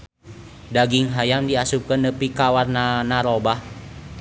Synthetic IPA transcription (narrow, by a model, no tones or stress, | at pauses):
daɡiŋɦajamdiasup̚kənːəpikawarnanaɾobah